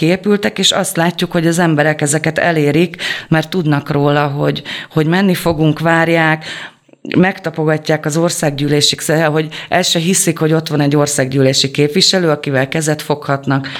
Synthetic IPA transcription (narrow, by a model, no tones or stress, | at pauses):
kieːpylt̪ɛkeːʃɒ̰st̪laːcːukho̞ɟɒzɛmbɛɾɛkɛzɛkɛt̪ɛ̰leːɾikmɛrt̪ːud̪nɒkroːlɒɦo̞̰ɟho̞ɟmɛnːifo̞ɡuŋkʋaːrjaːk | mɛkt̪ɒpo̞ɡɒcːaːkɒzo̞rsaːɡɟyːleːʃiksɛɦo̞ɟɛlʃɛɦisikho̞ɟo̞t̪ʋɒnɛɟːo̞rsaːɡɟyːleːʃikeːpʋiʃɛløːɒkivɛlkɛzɛt̪fo̞khɒt̪nɒk